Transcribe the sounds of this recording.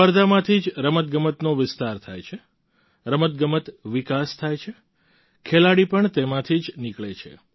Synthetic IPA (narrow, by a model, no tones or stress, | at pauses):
pəɾd̪ʱamãt̪ʰid͡ʒɾəmət̪̚ɡəmət̪noʋɪst̪aɾt̪ʰajt͡ʃʰe | ɾəmət̪̚ɡəmət̪ʋɪkast̪ʰajt͡ʃʰe | kʰelaɽipəɳt̪emãt̪ʰid͡ʒnikɭet͡ʃʰḛ